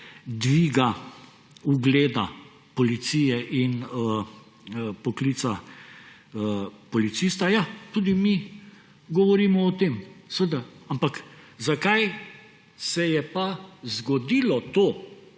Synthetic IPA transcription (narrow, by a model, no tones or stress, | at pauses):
d̪ʋiːɡa | uɡleːd̪a | pɔlit̪sijɛʔinə | pɔklit̪sa | pɔlit̪sist̪ajat̪uːd̪imi | ɡɔʋɔɾiːmɔːt̪emsʋəd̪aampakzakaj | sɛjɛpazɡɔd̪iːlɔt̪oː